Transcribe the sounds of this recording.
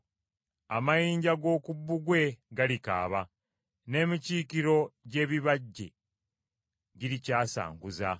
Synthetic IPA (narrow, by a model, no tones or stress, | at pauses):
a̰majiːɲɟaɡo̞ːkubːuɡwe̞ɡalika̰ːβa | ne̞ːmiciːkiɾo̞ɟe̞ːβiβaɟːe̞̰ | ɟiɾicaːsa̰ːŋɡuza